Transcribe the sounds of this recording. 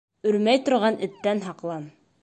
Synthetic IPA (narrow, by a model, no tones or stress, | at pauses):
ɵ̆ɾmæjt̪ŏɾʁɑnɘ̆t̪ːænɦɑqlˠɑm